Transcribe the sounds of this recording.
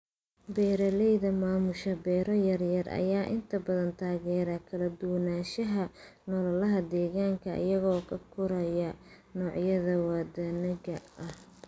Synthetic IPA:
bɛːɾɐlɛjðɐmaːmʊʃɐbɛːɾɔjɐrjɐrɐ̰jaːʔɪnt̪ʰɐbɐðɐnt̪ʰaːɣɛːɾɐkʰɐlɐd̪ʊwɐnaːʃɐɦɐnɔlɐlɐɦɐd̪ɛːɣaːŋkʰɐʔɐ̰jɐɣɔːkʰɐkʰʊɾɐjɐ | nɔːʕjɐðɐwaːd̪ɐnɐɣɐʔɐh

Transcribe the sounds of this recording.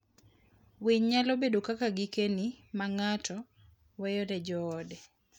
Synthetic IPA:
wiɲɲalobedokakaɡɪkenimaŋatʰɔ | wɛjɔɾɛd͡ʒɔːdɛ

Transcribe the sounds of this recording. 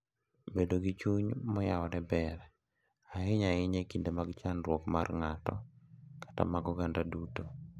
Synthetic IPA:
bedoɡit͡ʃuɲmɔjawɔdɛbɛɾɛ | aɪɲaɪɲekindemaɡt͡ʃanɾwɔkma̰rŋatɔkḁta̰maɡɔɡandaduto

